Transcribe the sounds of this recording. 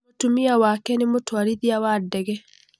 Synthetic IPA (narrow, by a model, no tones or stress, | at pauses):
otumiawaːkɛnemotwaɾiðiawadːɛɡɛ